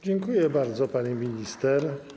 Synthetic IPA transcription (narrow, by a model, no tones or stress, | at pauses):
d͡ʒiŋkʰujebæɾzɒpaɾiminist̪eɾ